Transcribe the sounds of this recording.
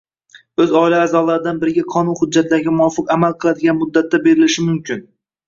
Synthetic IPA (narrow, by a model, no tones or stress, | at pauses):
ɵzɒɪlaːzɒlˠaɾɪd̪anbɪɾɪɡʲaqʰɒnʊnhʊd̪̚d͡ʒːat̪ʰlaɾɡʲamʊɒfɨqamalˠqʰɨlˠad̪ɪɡʲanmʊd̪ːat̪ʰːabe̞ɾɪlɪʃɪmʊmkʲʰɪn